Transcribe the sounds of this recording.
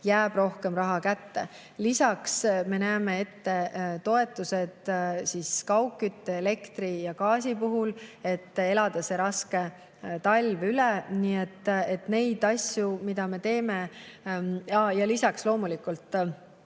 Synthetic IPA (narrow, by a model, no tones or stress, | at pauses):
jæːb̥ro̞hke̞mrɑɦɑkæt̪ːe̞̰ | lisɑksme̞næːme̞e̞t̪ːe̞t̪o̞e̞t̪ːˑuse̞d̪̥siskɑwkːˑyt̪ːeele̞kt̪ɾijɑkɑːsʲipuɦule̞t̪ːˑe̞lɑd̪̥ɑse̞ɾɑske̞ | t̪ɑlʲvylɛniːet̪ːet̪ne̞jd̪̥ɑsjumid̪̥ɑme̞t̪e̞ːme̞ | ɑjɑlisɑkslo̞ːmulikult̪ːˑ